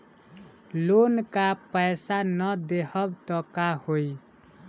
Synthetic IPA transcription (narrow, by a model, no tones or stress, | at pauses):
lonkapəɪsanəd̪eɦəbt̪ɔkahoi